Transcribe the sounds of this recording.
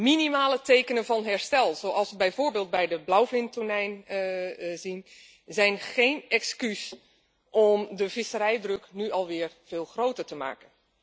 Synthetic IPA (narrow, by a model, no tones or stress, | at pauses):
minimaːlətejkənənvɑnɦɛɹstɛlˠz̥owɑlˠsʋəbɛjvʊːɹbeːlˠt̚bɛjdəblawvɪntəɹnɛjn | zin | zɛjnχejnɛkskys | ʔɔmdəvɪsəɾɛjdrɵknyʔɑlˠʋɪːɹv̥eːlˠxrowtəɹtəma̰ːkən